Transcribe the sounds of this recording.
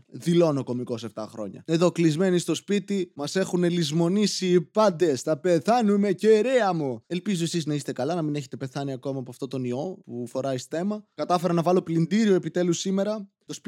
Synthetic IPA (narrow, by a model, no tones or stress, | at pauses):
ðilo̞noko̞miko̞se̞ft̪ɐ̰xɾo̞̰ɲɐ̰neðoklizme̞nist̪o̞spit̪imɐse̞xunelizmo̞nisiːpɐnd̪e̞st̪ɐpe̞θɐnume̞ceɾeɐmue̞lpizo̞esiznɐist̪e̞kɐlɐnɐmineçet̪epe̞θɐniɐko̞mɐpoɐft̪o̞t̪o̞nio̞pufo̞ɾɐisθe̞mɐkɐt̪ɐfe̞ɾɐnɐvɐlo̞plind̪iɾioepit̪e̞lusime̞ɾɐ | t̪o̞sp